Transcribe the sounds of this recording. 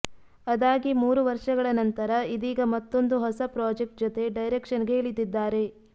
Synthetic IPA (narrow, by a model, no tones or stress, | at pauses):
ɐd̪aːɡimuːɾuʋɐɾʂɐɡɐɭɐnɐnt̪ɐɾɐid̪iːɡɐmɐt̪ːo̞nd̪uɦɔsɐpɾaːd͡ʒek̚ʈ̚d͡ʒɔt̪e̞ɖɐjɾekʂɐnɡeːɭid̪id̪ːaːɾe̞